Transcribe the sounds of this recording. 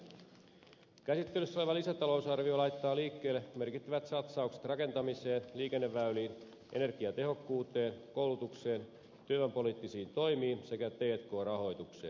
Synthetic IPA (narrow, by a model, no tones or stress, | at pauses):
kæsit̪ːelysːoleʋɑlisæt̪ɑlo̞usɑrʋiolɑjt̪ːɑːliːkːe̞ːlːeme̞rkit̪ːæʋæt̪sɑt̪sɑukse̥t̪rɑke̞nt̪ɑmise̞ːnliːke̞nːeʋːæyliːn | ʔe̞̰ne̞rɡ̥iɑt̪e̞ɦo̞kːuːt̪e̞ːnko̞ulut̪ukse̞ːn | t̪yøʋæmpo̞liːt̪ːisiːnt̪o̞jmiːnse̞kæt̪eːt̪ko̞ːrɑɦo̞jt̪uksḛːn